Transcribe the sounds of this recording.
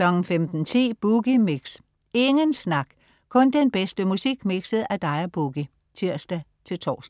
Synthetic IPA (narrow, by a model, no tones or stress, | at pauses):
klɒ̽ɡn̩femd̥n̩t͡sʰḭːb̥uɡ̥imiɡ̥s | e̝ŋənsnɑ̈ɡ̥ | kʰɔ̽nd̥enb̥esd̥əmusiɡ̥miɡ̥sð̩ˠæd̥ɑ̈ɪɐb̥uɡ̥i | t͡sʰiɐ̰sd̥æt͡sʰe̝lt͡sʰɒ̰ːsd̥